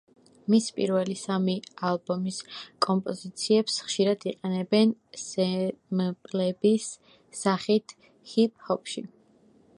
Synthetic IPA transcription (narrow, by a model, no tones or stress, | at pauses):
mispʼḭɾvɛlisamialˠbɔmiskʼɔmpʼɔzit̪sʰiɛpsχʃiɾad̪iqʼɛnɛbɛnsɛmpʼlɛbisː | aχit̪ʰ | hip̚ʰʼhɔpʰʃi